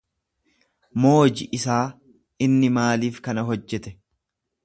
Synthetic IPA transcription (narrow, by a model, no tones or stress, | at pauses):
moːd͡ʒɪʔɪsaː | ɪnːɪmaːliːfkɐnɐɦɔd͡ʒːɛt̪ɛ